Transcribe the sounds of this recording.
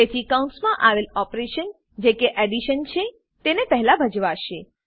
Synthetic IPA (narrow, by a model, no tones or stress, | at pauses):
et̪ʰikaw̃ɳʈsmãʔaʋelɔpɾeʃən | d͡ʒekeʔɛɖiʃənt͡ʃʰe | t̪enepɛɦɛlabʱəd͡ʒʋaʃe